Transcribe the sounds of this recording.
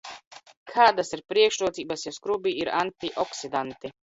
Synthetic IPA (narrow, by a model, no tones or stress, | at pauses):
kʰaːd̪asiɾpɾiɛkʃɾuɔt̪siːbasjɛskɾubiiɾant̪iʔɔksid̪ant̪i